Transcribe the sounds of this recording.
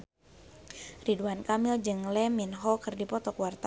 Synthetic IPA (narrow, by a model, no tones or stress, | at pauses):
riduankamild͡ʒɨŋlɛminɦɔkɨrdipɔt̪ɔkwart̪a